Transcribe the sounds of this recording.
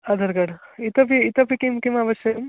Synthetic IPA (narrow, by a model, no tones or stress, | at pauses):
ɐd̪ɐɾɡɐɽit̪ɐpiːt̪ɐpikimkimaʋɐʃjɐɐm